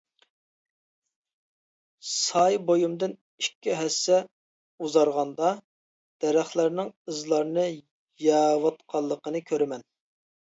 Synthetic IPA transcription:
sɑjbojumd̪ɨn | ikʲːiɦɛsːɛ | uzɑɾʁɑnd̪ɑ | d̪̥ɛɾæχlæɾnɪŋɨzlˠɑɾnɨ | jɛwɑt̪̚qʰɑlˠːəqənɨkʲʰøɾɪmɛn

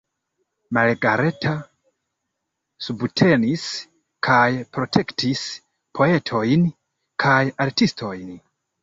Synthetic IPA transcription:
malɡaɾe̞tʰa | subtʰe̞nis | kʰajpɾo̞tʰe̞ktʰis | pʰo̞e̞tʰo̞jn | kʰajaɾtistʰo̞jn

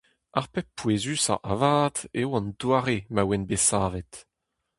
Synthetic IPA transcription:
aʁpɛppːwezysa̰ʔavaːt̪ewɑ̃nd̪waːʁemawɛnbesaːvɛt̪

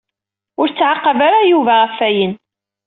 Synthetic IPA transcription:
ʊɾt͡sːʕaqːɑvaɾajuvæʁəfːæjən

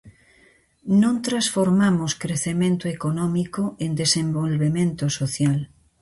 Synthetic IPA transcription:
nõnt̪ɾasfoɾmamoskɾeθemẽnt̪oekonɔmikoend̪esẽmbolβemẽnt̪osoθjal

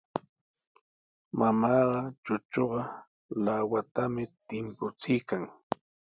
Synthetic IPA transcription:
mamɑːɢɑt͡ʃʊt͡ʃoɢɑ | lawat̪amɪt̪ɪmpʊt͡sɪjkaŋ

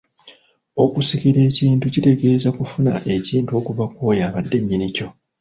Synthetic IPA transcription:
o̞kusikiɾe̞ːciːntucite̞ɡe̞ːzakufuna̰ʔe̞ciːntuo̞ːkuβako̞ːjaːβadːe̞ɲːinico̞

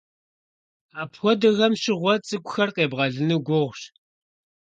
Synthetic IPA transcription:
aːpʰxʷɔdɨɣɐmʃɪʁʷɔt͡sʼɨkʷʼʊxɐrqeːbʁɐɮɨnɨɡʷʊʁʷʃ

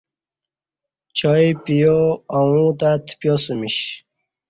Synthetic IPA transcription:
t͡ɕʰɔjpijoawũt̪at̪ʰpjɔsəmiɕ

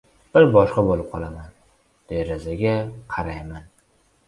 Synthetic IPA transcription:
b̥ɪɾbɒʃqɑbolˠɪp̚qʰɒlˠaman | d̪̥eɾazaɡʲaqʰɑɾajman

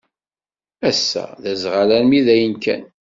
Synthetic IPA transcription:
æsːæ̰ðæzʁalænmiðæjənkæ̰n

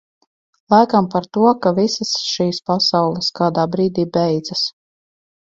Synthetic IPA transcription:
lˠajkampaɾt̪uɔkavisasʃiːspasawlˠɛskaːd̪aːbɾiːd̪iːbɛjd̪z̥as

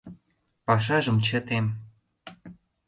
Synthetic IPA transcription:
pɑʃ̬ɑʒɤ̆mt͡ɕə̆t̪em

